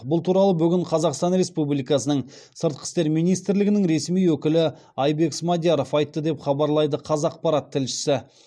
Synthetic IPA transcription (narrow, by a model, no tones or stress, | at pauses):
bʊlˠt̪ʰuɾɑlˠəbʏɡʲɪɴqʰɑzɑqst̪ɑnɾe̞spublijkɑsənəɴ | səɾt̪̚qʰə̥st̪e̞ɾmijnijst̪ɾlɪɡʲɪnɪŋɾe̞smijwɵkʲɪlɪ | ɑjbe̞ksmɑd̪jaɾo̞fɑjt̪ːəd̪e̞pχɑbɑɾlˠɑjd̪əqʰɑzɑq̚pɑɾɑt̪ʰːɪlʃɪ̥sɪ